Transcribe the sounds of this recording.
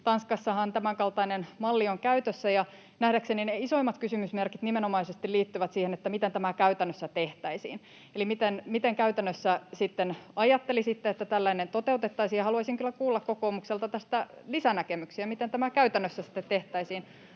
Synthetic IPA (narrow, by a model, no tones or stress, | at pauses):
t̪ɑnskɑsːɑhɑnt̪æmæŋkɑlt̪ɑinenmɑlːioŋkæyt̪øsːæjɑ | næhdæksenineiso̞imːɑt̪kysymysmerkit̪nimenomɑisest̪iliːt̪ːyʋæt̪siːhenet̪ːæmit̪ent̪æmækæyt̪ænːøsːæt̪eht̪æisḭːn | elimit̪enmit̪eŋkæyt̪ænːøsːæsit̪ːenɑjɑt̪ːelisit̪ːeet̪ːæt̪ælːæinent̪ot̪eut̪et̪ːɑisijɑhɑluɑisiŋkylːækuːlːɑkkokoːmukselt̪ɑt̪æst̪ælisænækemyksiæmit̪ent̪æmækæyt̪ænːøsːæsi̥t̪ːet̪teht̪æisiːn